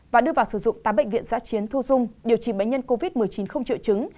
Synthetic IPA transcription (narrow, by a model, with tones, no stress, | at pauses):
vaː˨˩ɗɨ˧əvaː˨˩wsɨ˧˩zʊ̰˧˨ŋ͡mt̪aː˨˦mɓə̰˧˨ŋ̟vḭ˧˨ənza̰ː˧˥t͡ɕi˨˦ənt̪ʰu˧zʊ˧ŋ͡mɗi˨˩əwt͡ɕi˧˩ɓə̰˧˨ŋ̟ɲə˧nko˧vi˦˥t̚mɨ˨˩əjt͡ɕi˨˦nxə˧wŋ͡mt͡ɕḭ˧˨wt͡ɕɨ˨˦ŋ